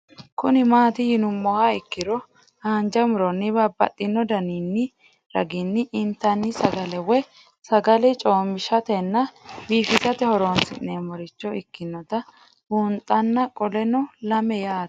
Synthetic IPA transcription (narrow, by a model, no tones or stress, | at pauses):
kʊnɪmaːt̪ɪjɪnʊmːɔhaɪkːɪɾɔ | aːnd͡ʒɐmʊɾɔnːɪbɐbɐ̰t̪ʼːɪnːɔd̪ɐninːɪ | ɾɐ̰ɡɪnːɪʔɪnt̪ːɐnːɪsɐɡɐlɛwɛ | sɐɡɐlɛt͡ʃʼoːmɪʃɐt̪ɛnːɐbiːfɪtɐt̪ɛhɔɾoːnsɪ̰nːeːmɔɾɪt͡ʃːɔɪkːɪnːɔt̪ɐ | bunt̪ʼːɐnːɐkʼɔlɛnɔlɐmɛjaːt